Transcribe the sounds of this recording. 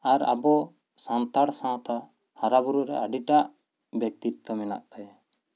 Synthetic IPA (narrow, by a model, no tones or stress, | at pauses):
aɾa̰bɔ | sant̪aɽsãwt̪a | haɾabuɾuɾɛ̰ʔaɖiʈaʔ | bjɛk̚t̪it̪ːɔmɛna̰ʔt̪aja